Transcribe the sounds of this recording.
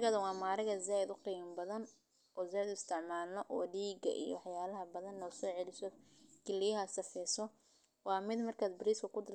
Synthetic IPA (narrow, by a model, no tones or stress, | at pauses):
kɐðɐwɑːmaːɾɐɣɐzaːjɪd̪ʊqiːmbɐðɐn | ʔɔːzaːjɪd̪ʊɪst̪ʰɪʕmaːlnɐʔɔːliːɡɐ̰ʔḭjɔ̰wɑħjaːlɐɦɐbɐðɐnːɔːsɔːʕɛlɪsɔkɪlːɪjɐɦɐsɐfɛːsɔ | wɑːmɪd̪mɐrkʰaːd̪̚bɪɾiːskʰɐkʰʊd̪ɪr